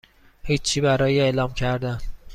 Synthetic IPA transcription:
hiːt͡ʃʰːiːbæɾɒːjeeʔlɒːmcʰæɾd̪æn

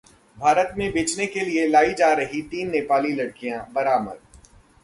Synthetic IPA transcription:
bʱaːɾət̪mẽbeːt͡ʃnekelielaːid͡ʒaːɾɐɦit̪iːnːeːpaːlilɐɽkijãbɐɾaːmə̰ɾ

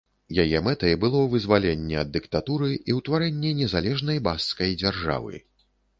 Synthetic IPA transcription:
jajɛmɛt̪ɐjbɨlˠɔwvɨzvalʲɛnʲːɛɐd̪ːɨkt̪at̪uɾɨiwt̪vaɾɛnʲːɛnʲɛzalʲɛʐnɐjbasːkɐjd͡zʲarʐa̰vɨ̰

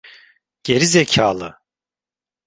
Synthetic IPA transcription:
ɟ̥e̞ɾizecʰaːlˠɯ

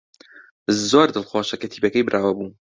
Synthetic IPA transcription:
zoːɾd̪ɨlˠxoːʃɐkɐt̪ʰiːbɐkɐjbɨɾʔaːwɐbun

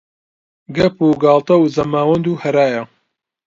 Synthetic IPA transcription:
ɡɐpuɡɑːlˠt̪ɐwzɐmaːwɐnd̪uːhɐɾaːjɐ

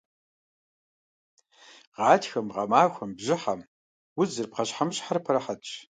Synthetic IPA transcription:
ʁɑːtʰxɐmʁɐ̰maːxʷɐmbʑɪħam | wʊzɨrp̚qɐɕħamɨɕʼħarpʰɐɾɐħatʰʼ

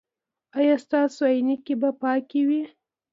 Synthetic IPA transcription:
ɑjɑst̪ɑsoajnikebapɑkewi

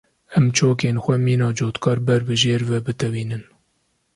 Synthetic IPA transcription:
ɛmt͡ʃʰoːkeːnxʷɛmiːnɑːd͡ʒoːt̪kʰɑːɾbɛɾbɨʒeːɾvɛbɨt̪ɛviːnɨn

